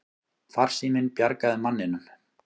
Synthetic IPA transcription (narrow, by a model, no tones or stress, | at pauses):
far̥simɪnpjaɾkaðɪmanːɪnʏm̥